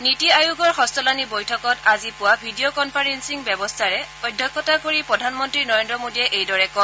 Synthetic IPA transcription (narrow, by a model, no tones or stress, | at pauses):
nitiajuɡɔɹxɔstɔlanibojtʰɔkɔtazipʊwabʱidiokɔnpʰaɹensiŋbɛbɔstʰaɹɛɔjdʱːɔkːɔtakoɹipɹɔdʱanmɔntɹinɔɹendɹɔmodiɛʔejdɔɹɛkɔ